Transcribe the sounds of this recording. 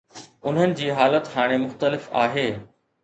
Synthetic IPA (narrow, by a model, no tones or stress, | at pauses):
ʊn̤ənɪ̆d͡ʑiːɦaːlət̪haːɽ̃emʊxt̪əlɪfa̰ːɦeː